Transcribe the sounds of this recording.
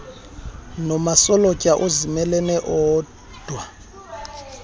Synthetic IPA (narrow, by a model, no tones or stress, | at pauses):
nɔmasɔlɔcʼaʔʊzimɛlɛnɛʔɔː | d̥ʱwa